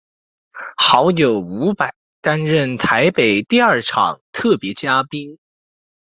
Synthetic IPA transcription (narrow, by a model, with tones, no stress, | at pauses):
xɑ˧˥ʊjo˨˩ʊu˧˥pa˨˩˦ɪt̪a˥nɻə˥˩nt̪ʰa˧˥ɪpe˨˩ɪt̪i˥˧ɐ˞˥˩ʈ͡ʂʰɑ̰˨˩˦ŋt̪ʰɤ˥˩pjɛ˧˥t͡ɕja˥pi˥n